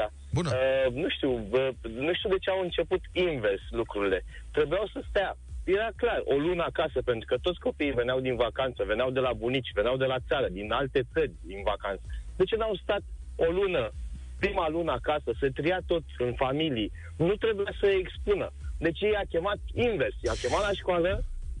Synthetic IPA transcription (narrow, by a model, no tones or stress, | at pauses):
a | nuʃt̪iwənuʃt̪iud̪e̞t͡ʃeawɨnt͡ʃe̞put̪inve̞rslukɾuɾile̞ | t̪ɾe̞bujawsəst̪a | je̞ɾaklaro̞̰lunəakasəpe̞nt̪ɾukət̪o̞t̪sʲko̞piive̞neawd̪invakant̪səve̞nawd̪e̞labunit͡ʃʲve̞neawd̪e̞lat̪saɾəd̪inalt̪e̞t̪sərʲd̪invakant̪səd̪e̞t͡ʃenawst̪at̪o̞lunə | pɾimalunəakasəsət̪ɾijat̪o̞t̪ɨnfamilii | nut̪ɾe̞bujasəekspunəd̪e̞t͡ʃjejakʲe̞mat̪̚inve̞rsjeakʲe̞mat̪laʃkoalə